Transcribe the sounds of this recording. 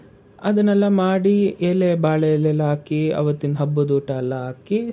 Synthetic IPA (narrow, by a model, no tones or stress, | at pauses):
ɐd̪ɐnɐlːɐmaːɽieːlebaːɭejɐlːɛlaːkiɐ̰ʋɐt̪ːinɦɐbːɐd̪uːʈɐɐlːɐɦaːki